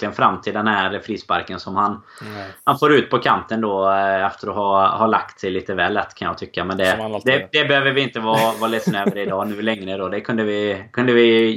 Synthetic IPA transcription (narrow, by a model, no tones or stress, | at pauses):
lɪɡənfɾamːt̪ʰɪld̪ɛnhæɾfɾiːspa̰ɾkənsɔmhanhanfoːɾʉ̟ːt̪pʰɔkʰant̪ənd̪ɔɛft̪əɾɔhɑhala̰kt̪sɛjliːt̪əvɛ̰ːlːɛt̪ːkʰanjɑ̰ɡt̪ʰʏkːamɛnd̪ɛd̪ɛd̪ɛbɛhøːvəɾvɪɪnt̪əvɑːvɑːlɪt̪əsnøːvəɾəɪd̪ɑːnʉ̟ːlɛŋːɾəd̪ɔd̪ɛkʰɵnd̪əvɪkʰɵnd̪əvɪ